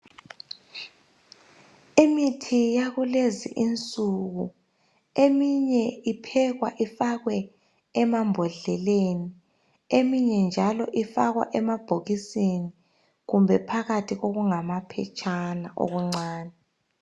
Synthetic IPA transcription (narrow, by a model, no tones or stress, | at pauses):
imitʰijaɣulezḭʔint͡sʼuɣu | emiɲɛipʰɛɣwa̰ʔifaɣwɛ | ɛmambʱɔɮɛleni | emiɲɛnd͡ʒʱalɔʔifaɣwa̰ʔɛmab̥ʱoɣiseni | ɣumbʱɛpʰaɣatʰiɣoɣuŋamapʰɛ̰t͡ʃʼana̰ʔo̰ɣuŋ͡ǀaːnɛ